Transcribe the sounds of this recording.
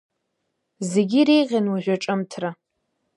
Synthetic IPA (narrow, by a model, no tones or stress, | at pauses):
ze̞ɡʲiɾejʁʲanwuʒᶣʷaʈ͡ʂʼɨmtʰra